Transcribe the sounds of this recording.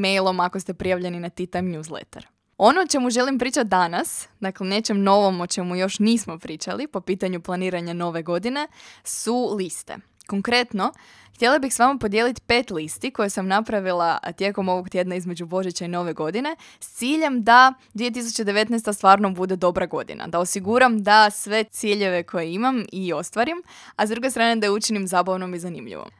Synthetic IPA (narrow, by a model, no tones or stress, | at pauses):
mejlˠo̞mako̞st̪e̞pɾijaʋʎe̞ninat̪it̪amɲjuːzlḛt̪ḛɾ | o̞not͡ʃe̞muʒe̞limpɾiːt͡ʃat̪̚d̪anasd̪aklene̞t͡ʃe̞mno̞ʋo̞mot͡ʃe̞mujo̞ʃniːsmo̞pɾiːt͡ʃalipo̞piːt̪aɲuplˠaniːɾaɲano̞ʋe̞ɡo̞d̪ine̞sulist̪ḛ | koŋkɾe̞t̪no̞ | xt̪ʲjelˠabixsʋamapo̞d̪je̞lit̪pe̞ːt̪list̪iko̞jesamnapɾaʋilˠat̪je̞ko̞mo̞ʋo̞kt̪je̞d̪naizme̞d͡ʑubo̞ʒet͡ɕaino̞ʋe̞ɡo̞d̪ine̞ | st̪siːʎe̞md̪ad̪ʋije̞t̪̬is̬ut͡ɕed̪eʋe̞t̪nɛjst̪ast̪ʋaːɾnobud̪e̞d̪o̞bɾaɡo̞̰d̪ḭna̰d̪aosiɡuɾamd̪asʋe̞t̪siːʎe̞ʋe̞kʰo̞jeimamio̞st̪ʋaɾim | azd̪ɾuɡest̪ɾaːned̪aut͡ʃinimzaːbaʋno̞mizanḭmʎḭʋo̰m